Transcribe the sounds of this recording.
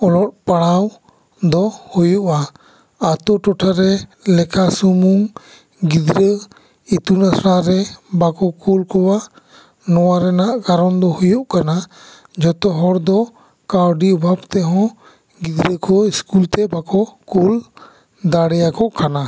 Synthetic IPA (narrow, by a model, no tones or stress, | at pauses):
ɔlɔt̚paɽaw | d̪ɔhujuʔaː | t̪ɔʈɔʈʰaɾɛlɛkasumuŋ | ɡid̪ɾə | it̪unasɾaɾɛbakɔkulkɔwa | nɔwaɾɛnaʔkaɾɔnd̪ɔhujuʔkana | d͡ʒɔt̪ɔɦɔɾd̪ɔ | kawɖiubʱabt̪ɛɦɔ̃ | ɡid̪ɾəkʰɔiskult̪ɛbakɔkul | d̪aɽɛjakɔʔkana